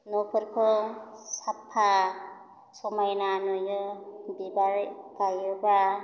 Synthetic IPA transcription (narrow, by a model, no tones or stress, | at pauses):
nɔpʰɯɾkʰɯwsapʰːa | sɔmajnanɔjɯbibaɾkajɯba